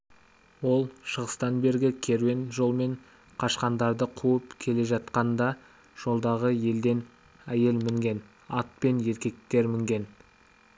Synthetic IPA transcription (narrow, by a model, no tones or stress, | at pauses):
wo̞lˠʃəʁəst̪ɑnbe̞ɾɡʲɪkʲʰe̞ɾwe̞nʒo̞lˠme̞ɴ | qʰɑʃqɑnd̪ɑɾd̪əqʰuəpkʲʰe̞le̞ʒɑt̪qɑnd̪ɑ | ʒ̥o̞lˠd̪ɑʁəje̞ld̪e̞n | æje̞lmɪŋɡʲe̞n | ɑt̪̚pe̞nje̞ɾkʲe̞k̚t̪e̞ɾmɪŋɡʲe̞n